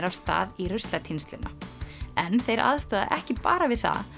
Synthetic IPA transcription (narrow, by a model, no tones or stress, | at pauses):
ɾav̥st̪a̰ːðirʏst̪lɛt̪ʰinst̪lɪnʔaɛnθejɾʔa̰ðst̪aːða̰ʔɛhcɪpa̰ːɾavɪðθa̰